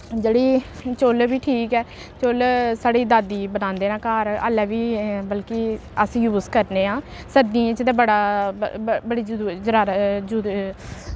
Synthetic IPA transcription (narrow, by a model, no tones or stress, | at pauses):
d͡ʒeːɽiːt͡ʃolbiːʈʰiːkɛː | t͡ʃolsaːɽiːd̪aːd̪iːbənãːnd̪eːnaːkaːɾə̰lɛːʋiːbəlkɪəsjuːskəɾneːɦãː | səd̪ĩːt͡ʃt̪ẽːbəɽaː | bəɽiːd͡ʒd͡ʒəɾaːɾd͡ʒu